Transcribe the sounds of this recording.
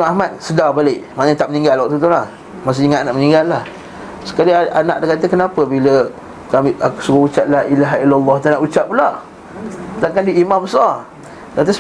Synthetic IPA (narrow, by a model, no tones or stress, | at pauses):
amat̪̚sədabalɪʔmanəɲt̪aʔ̚mənĩŋɡalwɔʔ̚t̪ut̪ulah | mas̬əiŋaʔanaʔmənĩŋɡalːah | sə̥kaliaanaʔdakat̪əkənapəbilə | kamisəɡout͡ʃaʔ̪̚laʔilaɦailalːɔht̪anaʔut͡ʃaʔ̚pulaʔ | t̪aŋkandiimãbəsar | t̪at̪̬is